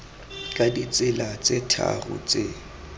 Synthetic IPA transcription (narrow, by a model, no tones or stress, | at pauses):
kʼadit͡sʼɪlat͡sʼetʰa̰rʊ̰t͡sʼe